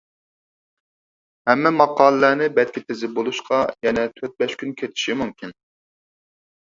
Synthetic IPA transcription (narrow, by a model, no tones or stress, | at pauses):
hɛmːɛmɑqɑːləlænɪbɛt̪̚kʲɪt̪ʰezɪbolˠuʃqʰɑjɛnɛt̪ʰøt̪̚bɛʃkʲynkʲʰet̪ʰɪ̥ʃimumkʲʰin